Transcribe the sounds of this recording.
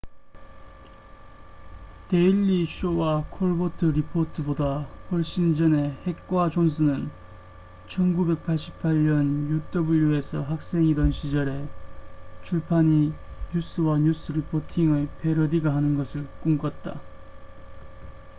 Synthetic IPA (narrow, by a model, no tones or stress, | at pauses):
te̞iʎːiɕowakʰoɭbotʰɯɾipʰotʰɯbodahɸʌɭɕ͈ind͡ʑʌne̞he̞k̚k͈wad͡ʑons̬ʰɯnɯn | t͡ɕʰʌnɡube̞k̚pʰaɭɕ͈i̥pʰaʎɲʌnjut͈ʰʌbuʎjue̞sʰʌɦak̚s͈e̞ŋidʌnɕʰid͡ʑʌɾe̞ | t͡ɕʰuɭpʰaɲiɲus͈ɯwaɲus͈ɯɾipʰotʰiŋɯpʰe̞ɾʌdiɡaɦanɯnɡʌsʰɯɭk͈uŋk͈at̚t͈a̰